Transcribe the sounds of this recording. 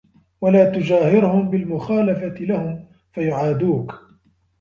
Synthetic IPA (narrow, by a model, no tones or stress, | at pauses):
walaːt̪ʊd͡ʒaːhɪɾʊhʊmbɪlmʊxaːlafat̪ɪlahʊm | fajʊʕaːd̪uːk